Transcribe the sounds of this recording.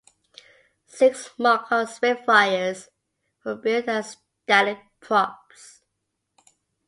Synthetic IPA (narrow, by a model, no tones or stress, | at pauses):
sɪksmɑkʰəswɛfaɪəz̥ | wəbidəz̥ | d̥ælɪd̚pʰɹ̥ɔps